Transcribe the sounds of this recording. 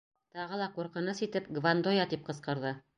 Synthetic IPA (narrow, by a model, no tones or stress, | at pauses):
t̪ɑʁɤ̆lˠɑquɾqɤ̆nɤsit̪ɘp̚ɡvand̪ojɑt̪ip̚qɤ̆sqɤ̆ɾðɤ